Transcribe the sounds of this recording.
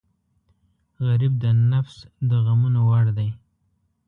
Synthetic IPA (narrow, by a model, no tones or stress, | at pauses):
ɣaɾib̚d̪ənafsd̪əɣamunowaɽd̪aj